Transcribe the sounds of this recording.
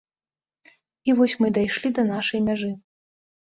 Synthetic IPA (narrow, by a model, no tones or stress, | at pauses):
ivɔsʲmɨd̪ajʂlʲid̪ɐnaʂɐjmʲaʐɨ